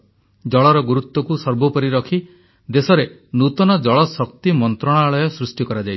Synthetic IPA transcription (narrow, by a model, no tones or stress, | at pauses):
d͡ʒɔɭɔɾɔɡuɾut̪wɔkusɔɾbʱɔpɔɾiɾɔkʰi | d̪esɔɾenut̪ɔnɔd͡ʒɔɭɔsɔkt̪imɔnt̪ɾɔɽ̃aːɭɔjɔsɾusʈikɔɾad͡ʒaj